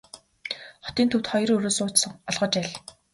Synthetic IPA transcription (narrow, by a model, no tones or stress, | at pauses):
χɔ̥t̪iːnt̪ʰɵwt̪χɔjrɵɾoːsʊːt͡ɕsɞ̆ŋɔɮʁə̆t͡ɕæːɮ